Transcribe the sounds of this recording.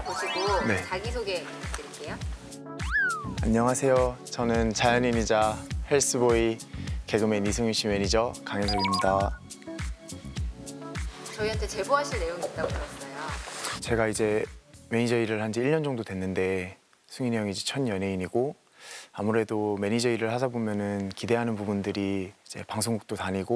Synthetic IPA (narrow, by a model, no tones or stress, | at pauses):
poɕʰiɡone̞t͡ɕaɡisʰoɡe̞ | t͈eɾik͈ejo | aɲːʌŋasʰe̞jot͡ɕʌnɯnt͡ɕajʌniɲid͡ʑahe̞ɭs͈ʰɯboike̞ɡɯme̞nisʰɯŋjuɕʰime̞ɲid͡ʑʌkaŋɦeŋsʰʌɡimɲida | t͡ɕʌiɦantʰe̞t͡ɕe̞boɦaɕʰiɭne̞joŋit̚t͈aɡoanajot͡ɕe̞ɡaid͡ʑe̞me̞ɲid͡ʑʌiɾɯɭhand͡ʑiiʎɲʌnd͡ʑʌŋdodwe̞nːɯnde̞ | sʰuŋiɲjʌŋid͡ʑit͡ɕʰʌnjʌnɦe̞iɲiɡo | amuɾe̞dome̞ɲid͡ʑʌiɾɯɭhad͡ʑabomjʌnɯnkide̞ɦanɯnpubundɯɾiid͡ʑe̞paŋsʰoŋɡuk̚t͈otaɲiɡo